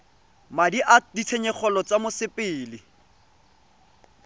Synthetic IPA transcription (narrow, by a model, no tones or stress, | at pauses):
madiʔadit͡sʰeɲɛk͡xʰɔlɔt͡samʊsɪpʼɪːlɪ